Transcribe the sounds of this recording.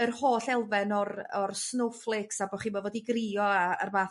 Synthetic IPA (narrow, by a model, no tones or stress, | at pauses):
ərhoːɬɛlˠvɛnɔrɔrsnowflˠɪksabɔχiːnmɔvɔːdiɡriɔaə̰rmaː